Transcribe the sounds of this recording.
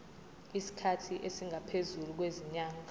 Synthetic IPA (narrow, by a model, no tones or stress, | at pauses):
isi̥kʰatʰiʔesiŋʱapʰezuluk̬weziɲaːŋʱa